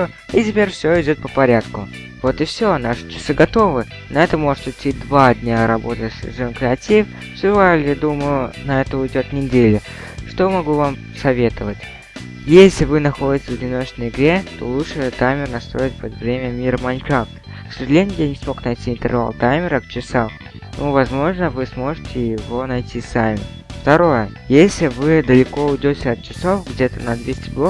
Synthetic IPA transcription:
o | itʲɪpʲeɾʲfsʲoɪdʲo̞t̪̚pəpɐɾʲat̪kʊ | vo̞t̪ɨfsʲonaʂɨ̥t͡ɕɪ̥sɨɡɐt̪o̞vɨ | nɐɛt̪əmo̞ʐɨt̪ʊt̪ʲːid̪vad̪ʲnʲaɾɐbo̞t̪əʂʐɨonkɾʲɪɐtʲif | sʲɪvalʲjad̪umʊjʊnɐɛt̪əʊɪdʲo̞t̪nʲɪdʲelʲʊ | ʂt̪ojmɐɡuvam | sɐvʲe̞t̪əvətʲ | jesʲlʲɪvɨnɐxo̞dʲɪtʲsvədʲɪno̞t͡ɕnəjɪɡɾʲe̞t̪o̞̰lˠutʂɨt̪ajmʲɪrnɐst̪ɾo̞ɪt̚ʲpəd̪vɾʲemʲəmʲiɾəmɐnʲkakt̪ | səʐɨlʲenʲjanʲɪsmo̞knɐjtʲiːnt̪ɨ̰rva̰lˠt̪ajmʲɪɾəkt͡ɕɪsam | nʔuvɐzmo̞ʐnəvɨsmo̞ʐɨtʲɪjɪvo̞nɐjtʲisamʲɪ | ft̪ɐɾo̞jə | jesʲlʲɪvɨd̪əlʲɪko̞ʊdʲotʲəɐt̪̚t͡ɕɪso̞fɡdʲe̞t̪ənɐd̪vʲesʲtʲɪblˠok

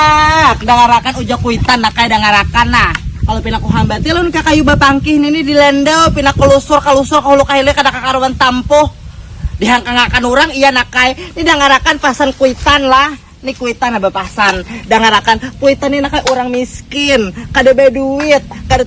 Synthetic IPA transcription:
k̚daŋaɾakanud͡ʒakuit̪anːakajdaŋaɾakanahkalopinakuɦambat̪ilonkakajubapaŋkɪhninidilɛndəwpinakulusʊrkalusʊrkaɦulukaɦilikadakakaɾuwant̪ampɔhdiɦaŋkaŋakanuɾaŋijanakajnidaŋaɾakanpasankuit̪anlah | nikuit̪anabapasandaŋaɾakankuit̪aninakajʔuɾaŋmiskɪnkadabaduɪt̪̚kada

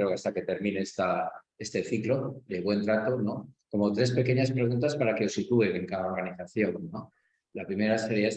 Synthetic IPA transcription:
ɾeokast̪ake̞t̪e̞ɾmĩneest̪a | e̞st̪e̞θiklo̞ðe̞β̞we̞nt̪ɾat̪o̞no̞ko̞mo̞t̪ɾe̞spe̞ke̞ɲaspɾeɣ̞unt̪aspaɾake̞o̞sit̪ue̞eŋkaðao̞ɾɣaniθaθjo̞ŋno̞ | lapɾime̞ɾaseɾjae

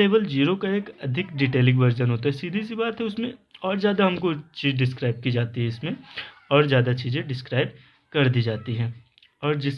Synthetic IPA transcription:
eːʋəld͡ʒiːɾokaeːkɐd̪ʱɪkɖiʈeːlɪ̃ɡʋɐɾd͡ʒənɦoːt̪aɦɛsiːd̪ʱis̬ibaːt̪ɦɛʊsmẽɔːɾzjaːd̪aɦɐmkot͡ʃiːzɖɪskɾaːɪb̚kid͡ʒaːt̪iɦɛɪsmẽɔːɾzjaːd̪at͡ʃiːzẽɖɪskɾaːɪb | kɐɾd̪iːd͡ʒaːt̪iɦɛ̃ː | ɔːɾd͡ʒɪs

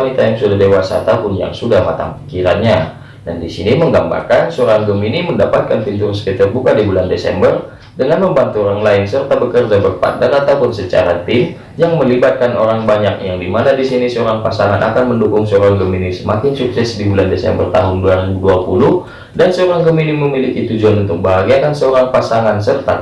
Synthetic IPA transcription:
nit̪ajaŋsudaɦdewasa̰t̪apʊnja̰ŋsudahma̰t̪a̰ŋpi̥kiɾanɲa | dandisiniməŋɡamba̰rkansəoɾaŋɡəminiməndapat̪̚kant̪uɲd͡ʒʊŋsə̥kit̪ərbukadibulandesɛ̰mbər | dəŋanməmbant̪uoɾaŋlaɪnsərt̪abəkərd͡ʒabərpa̰ndanat̪awpʊnsət͡ʃa̰ɾat̪ɪm | jaŋməlibat̪̚kanoɾaŋbaɲak̚jaŋdimanadisinisəoɾaŋpasaŋanʔa̰kanməndukʊŋsəoɾaŋɡəminisəmakɪnsuksɛsdibulandesɛ̰mbə̰rt̪a̰ɦʊnduaɾiduapulʊh | dansəoɾaŋɡəminiməmilikit̪ud͡ʒuanunt̪ʊk̚bəɦaɡiakansəoɾaŋpasaŋansərt̪a

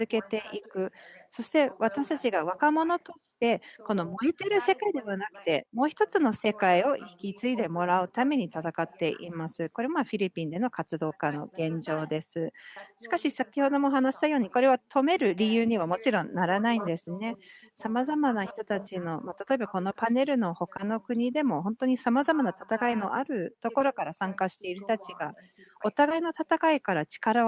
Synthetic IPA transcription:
ɨzɨke̞t̪e̞ʔikɯ̟so̞ɕi̥t̪e̞βat̪aɕi̥t̪at͡ɕiɡaβ̞akamo̞no̞t̪o̞ɕi̥t̪e̞ko̞no̞mo̞et̪eɾɯ̟se̞kaid̪e̞βanakɯ̟̥t̪e̞mo̞ːçi̥t̪o̞t͡sɨno̞se̞kaio̞çi̥kʲit͡sɨid̪e̞mo̞ɾaɯ̟t̪ame̞ɲ̟it̪at̪akat̪ːe̞̰ʔḭmasɨko̞ɾe̞maɸʲiɾʲipʲĩnd̪e̞no̞kat͡sɨd̪o̞ːkano̞̰ɡ̥ẽ̞ɲ̟d͡ʑo̞ːd̪e̞sɨɕi̥kaɕisakʲiho̞d̪o̞mo̞ɦanaɕi̥d̪ajo̞ːɲ̟iko̞ɾe̞βat̪ʰo̞me̞ɾɯ̟ɾʲijɯːɲ̟iβ̞amo̞t͡ɕiɾõ̞nnːaɾanaĩnd̪e̞sɨne̞ | samazamanaçi̥t̪o̞t̪at͡ɕino̞mat̪at̪o̞e̞bako̞no̞pane̞ɾɯ̟no̞ho̞kano̞kɯ̟ɲ̟id̪e̞mo̞ɦõ̞nt̪o̞ɲ̟isamazamanat̪ḁt̪akaino̞ʔaɾɯ̟t̪o̞ko̞ɾo̞kaɾasãŋkaɕi̥t̪e̞iɾɯ̟t̪at͡ɕiɡa | o̞t̪aɡaino̞t̪at̪akaikaɾat͡ɕi̥kaɾa

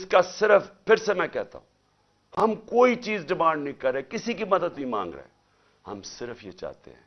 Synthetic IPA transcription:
ɪskasɪɾəfpʰɪɾsemɛ̃ːkɛɦt̪a̰ːɦṵ̃ː | hɐmkoːit͡ʃiːzɖɪmãːɳɖnɐĩkɐɾːeekɪsikimɐd̪əd̪nĩmã̰ːŋɡɾḛːɦɛ̰ | hɐ̰msɪɾəfjet͡ʃa̰ːt̪ḛɦɛ̰̃ː

